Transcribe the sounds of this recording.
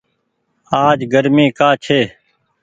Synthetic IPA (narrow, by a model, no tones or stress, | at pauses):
aːd͡ʒɡəɾmẽːkaːt͡ʃʰeː